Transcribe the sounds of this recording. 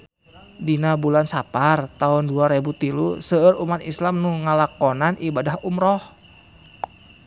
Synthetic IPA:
dinabulansapart̪aʊnduaɾebut̪ilusəəɾumat̪islamnuŋəlakɔnanʔibadahumɾɔh

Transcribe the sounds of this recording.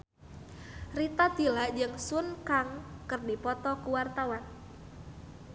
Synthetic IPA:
rit̪ad̪ilaʔd͡ʒɨŋsunkaŋkɨrdipɔt̪ɔkuwart̪awan

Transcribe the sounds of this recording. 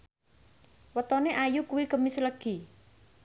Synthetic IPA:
wət̪ɔneʔajukuwikəmisləɡ̥i

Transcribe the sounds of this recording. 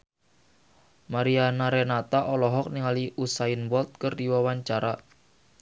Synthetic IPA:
maɾianaɾɛnat̪aʔɔlɔɦɔk̚niŋaliʔusainwɔlt̪̚kərdiwawaɲt͡ʃaɾa

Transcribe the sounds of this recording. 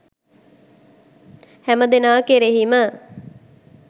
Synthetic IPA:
hæməd̪enaːkeɾeɦimə

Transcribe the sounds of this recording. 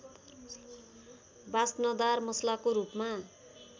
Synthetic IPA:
basnʌd̪armʌslakoɾupma

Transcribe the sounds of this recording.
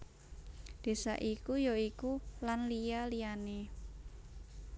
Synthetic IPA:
d̪̥e̤sa̰ʔikujoikulanlijalijane

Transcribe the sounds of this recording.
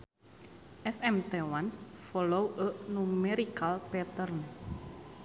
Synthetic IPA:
ʔɛsɛmt̪ewansfɔlowʔəʔnumeɾikalpɛt̪ərn

